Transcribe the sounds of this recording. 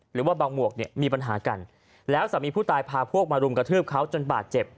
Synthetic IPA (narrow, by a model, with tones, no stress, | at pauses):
ɾɯː˩˦waː˥˩baː˧ŋmu˨˩ək̚ni˥˩miː˧p̬a˧nɦaː˩˦ka˧n | lɛː˦˥wsa˨˩˦miː˧pʰuː˥˩t̪aː˧jpʰaː˧pʰu˥˩ək̚maː˧ɾu˧mkɾa˧t̪ʰɯː˥˩p̚kʰa˦˥wt͡ɕo˧nbaː˨˩t̪̚t͡ɕe˨˩p̚